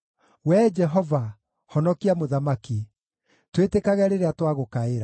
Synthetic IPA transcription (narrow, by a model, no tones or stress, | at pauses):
wɛd͡ʒɛɦɔva | hɔnɔkiamoðamaki | twetekaɣɛɾeɾeatwaɣokaeɾa